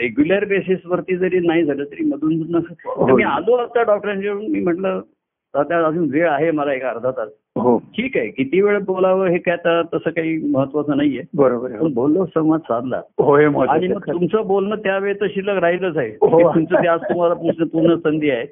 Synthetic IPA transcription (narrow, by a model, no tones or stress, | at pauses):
ɾeɡjuljəɾbesisʋəɾt̪iːd͡zəɾiːnaɦid͡zʱaləːt̪əɾiːməd̪ʱuːnd͡znːəəmialoat̪aɖɔk̚ʈəɾaɲt͡ɕeəɳmiːm̤əɳʈlə | at̪jaəd͡zuːnʋeɭaɦeməlaekaːɾd̪ʱat̪al | ɦoʈʰiːkaɦekit̪iːʋeɭəbolaʋəɦekjat̪at̪əsəːkaɦiːməɦət̪ʋat͡səːnaɦiebəɾobəɾəɳbolːəsəʋad͡zsãd̪la̰ɦoɦeməaɽ̃imməɡ̚t̪umt͡səbolnət̪jaʋeɭt̪əɕiləɾaɦiləd͡zaɦekoiumt͡səːt̪jad͡zt̪um̤alapusnəpuɾɳəsənd̪ʱiaɦe